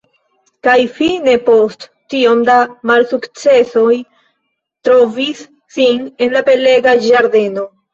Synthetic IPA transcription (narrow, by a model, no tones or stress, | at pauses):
kajfine̞po̞st | tio̞mdamalsukt͡se̞so̞j | tɾo̞visː | ine̞nlape̞le̞ɡad͡ʒaɾde̞no̞